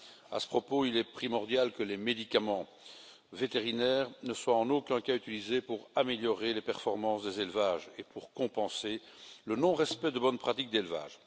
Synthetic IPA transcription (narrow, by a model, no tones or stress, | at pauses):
a̰sə̥pχɔpoilɛpχimɔʁd̪jalkəlemed̪ikʲamɑ̃ | vet̪eʁinɛːʁnəswaɑ̃nokʲɛ̃kayt̪ilizepuʁameljɔʁelepɛʁfɔʁmɑ̃sd̪ezelvaːʒepuʁkɔ̃pɑ̃se | lənɔ̃ʁɛspɛd̪əbɔnpχat̪ik̚d̪elva̰ːʒ